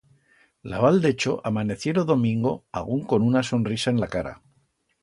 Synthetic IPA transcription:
la̰βald̪e̞t͡ʃo̞ʔamane̞θje̞ɾoðo̞mĩŋɡo̞a̰ɣ̞uŋko̞nunaso̞nrisae̞nlakaɾa̰

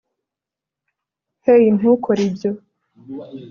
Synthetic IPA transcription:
hejin̥ukʰoɾibjo

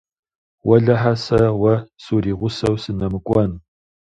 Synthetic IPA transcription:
wɐɮɐħasɐwɐsuːriːʁʷʊsɐwsɨnɐmɨkʷʼɔn

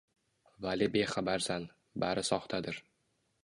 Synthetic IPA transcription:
valibeχabaɾsan | baɾɪsɒχt̪ʰad̪ɪɾ

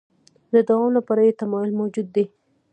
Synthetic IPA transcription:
d̪əd̪awɑmlapaɾajet̪amɑjʊlmawd͡ʒud̪ːi

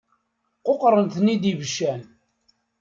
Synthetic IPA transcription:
qoqɾˤənθənːid̪ivəʃːæn

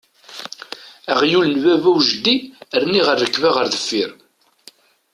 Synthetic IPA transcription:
æʁjulnvævæwʒəd̪ːiəɾniʁəɾːəkːvaʁəɾðəfːiɾ

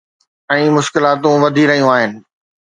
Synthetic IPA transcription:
ɛ̃ːmʊʃkɪlaːt̪ũʋɐd̪ʱiɾɐɦijũaːɦɪnɪ̆

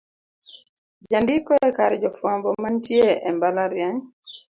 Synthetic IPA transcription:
d͡ʒandikɔɛkaɾd͡ʒɔfwambɔmantjeʔɛmbalaɾjaɲ

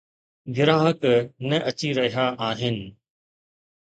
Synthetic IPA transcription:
ɡɪɾaːɦəknɐʔɐt͡ɕiɾɐɦijaʔaːɦɪnɪ̆

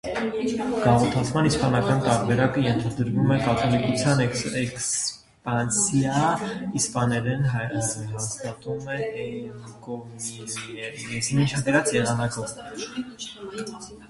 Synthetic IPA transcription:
ɡ̥ɑʁɔt̪ʰɑt͡sʰmɑniʃpɑnɑkɑnt̪ɑɾbɛɾɑkəjɛnt̪ʰɑd̪əɾvumɛkɑt̪ʰɔlikut͡sʰjɑnɛks | pɑnsjɑispɑnɛɾɛnɦɦɑst̪ɑt̪umɛ | kɔmiɛɾɛsimint͡ʃʰɑɡ̪ɛɾɑt͡sjɛʁɑnɑkɔv

